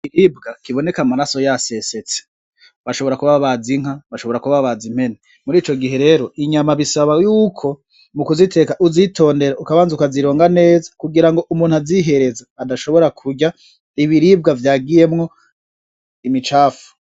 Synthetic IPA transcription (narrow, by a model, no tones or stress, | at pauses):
iɾib̚ɡakiβo̞ne̞kamaɾaso̞jase̞set͡se̥ | βaʃo̞βo̞ɾakuβaβaβaziŋ̥aβaʃo̞βo̞ɾakuβaββazim̥he̞ne | muɾiːt͡ʃo̞ɡiɦe̞ɾe̞ɾo̞iɲamaβisaβajuːkʰo̞ | mukuzitʰe̞kaʔuzitʰo̞ːnde̞ɾaʔukaβaːnzukaziɾo̞ːŋɡane̞ːzakuɡiɾaŋɡo̞ʔumuːn̥haziɦe̞ɾe̞zaːdaʃo̞βo̞ɾakʰuɟa | iβiɾib̚ɡavjaːɡije̞mŋo̞ | imit͡ʃaːfu̥